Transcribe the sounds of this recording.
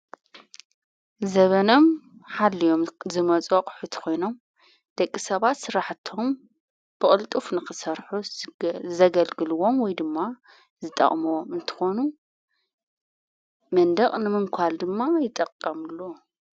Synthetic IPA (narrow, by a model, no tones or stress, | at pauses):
zɐβɐno̞mħalːijo̞mzɨmɐt͡sʼoqʼħut̪ʰkʰo̞jno̞m | d̪̥ɐkʼːisɐβat̪sɨɾaħt̪ʰo̞m | b̥ɨχʼɨlt̪ʼufnɨxɨsɐɾħu | zɐɡɐlɡɨluwomwɔjd̪ɨmːa | zɨt̪ʼɐ̰χʼmuwomɨnt̪ʰɨ̥xonu | mɐnd̪ɐkʼnɨmɨŋkʷʰald̪ɨmːajɪt̪ʼɐqʼːɐmɨlːo